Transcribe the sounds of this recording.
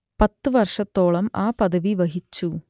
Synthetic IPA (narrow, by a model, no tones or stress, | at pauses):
pɐt̪ːɨʋɐrʂɐt̪ːo̞ːɭɐmaːpɐðɐʋiʋɐɦit͡ɕːu